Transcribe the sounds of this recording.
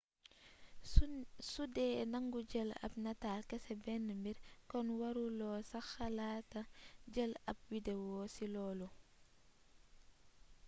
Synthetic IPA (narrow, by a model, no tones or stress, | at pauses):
sudɛːnɐŋɡuɟəlɐ̰p̚nɐtaːlkɛsɛbɛnːəmbiɾkɔnwɐɾulɔːsɐxɐlaːtɐɟəlɐp̚widewɔːsilɔːlu